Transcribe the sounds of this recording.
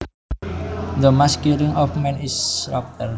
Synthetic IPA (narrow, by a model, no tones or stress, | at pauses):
d̪əmaskuɾiŋɔfmɛ̃nisɾap̚tər